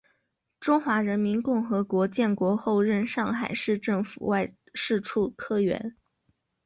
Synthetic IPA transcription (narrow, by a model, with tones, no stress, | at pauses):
ʈ͡ʂʊ˥ŋxwa˧˥ɻə˧˥nmi˧˥nkʊ˥˩ŋxɤ˧˥kwɔ˧˥t͡ɕjɛ˥˩nkwɔ˧˥xo˥˧ʊɻə˥˧nʂɑ˥˩ŋxa̰˨˩ɪʂɻ̩˥˧ʈ͡ʂɤ˥˩ŋfu˨˩wa˥˧ɪ | ʂɻ̩˥˧ʈ͡ʂʰu˥˩kʰɤ˥˩ɥɛ̰˧˥n